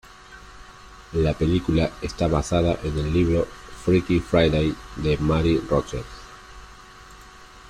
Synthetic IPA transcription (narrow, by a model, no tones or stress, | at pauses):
lape̞likulaest̪aβasað̞aʔenelːiβ̞ɾofɾikifɾajðejd̪emaɾirot͡ʃeɾs